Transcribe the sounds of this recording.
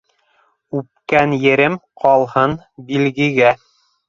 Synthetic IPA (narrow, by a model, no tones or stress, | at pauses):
ʉp̚kænjɘ̆ɾɘmqʰɑlˠhɤn | bilɡɘ̆ɡæ